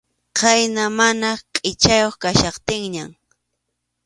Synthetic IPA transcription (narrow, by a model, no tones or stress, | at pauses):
qajnamanaqʼɪt͡ʃajoχkaʃɑqt̪ɪŋɲam